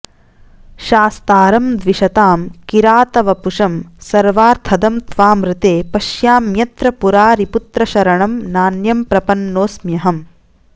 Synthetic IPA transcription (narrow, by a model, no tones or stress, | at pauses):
ʃaːst̪aːɾɐmd̪ʋiʃɐt̪aːmkiɾaːt̪ɐʋɐpuʂɐmsɐɾʋaːɾt̪ʰɐd̪ɐmt̪ʋaːmɾɪt̪eːpɐʃjaːmjɐt̪ɾɐpuɾaːɾiput̪ɾɐʃɐɾɐɳɐmnaːnjɐmpɾɐpɐnːoːsmjɐɦɐm